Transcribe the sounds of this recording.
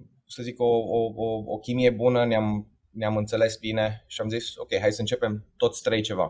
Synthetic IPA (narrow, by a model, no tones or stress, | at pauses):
səziko̞ooo̰kʲimije̞bunəneam | neamɨnt̪se̞le̞sbine̞ʃiamziso̞̰kʲejɦajd̪səɨnt͡ʃe̞pe̞mt̪o̞t̪sʲt̪ɾejt͡ʃe̞va̰